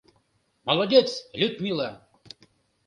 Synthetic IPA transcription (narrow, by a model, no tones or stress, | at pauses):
mɐlˠɐdʲet̪slʲʊt̪mʲilˠa